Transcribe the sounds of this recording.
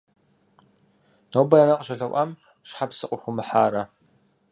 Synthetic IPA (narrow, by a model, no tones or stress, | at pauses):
noːbɐɐnɐqʼʒɐɮɐwʷʔʷɐm | ʃħapsɨqʷʼʊxʷʊmɨħaːɾɐ